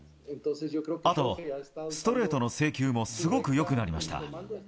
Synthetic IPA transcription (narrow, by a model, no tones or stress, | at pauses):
at̪o̞sɨ̥t̪o̞ɾe̞ːt̪o̞no̞se̞ːkʲɨːmo̞sɨɡo̞kɯ̟jo̞kɯ̟naɾʲima̰ɕi̥t̪a̰